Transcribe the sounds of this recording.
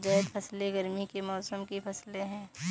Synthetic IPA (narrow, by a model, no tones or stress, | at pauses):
d͡ʒɐːd̪pʰɐsleɡəɾmikemɔːsəmkipʰɐsleɦɛ̃ː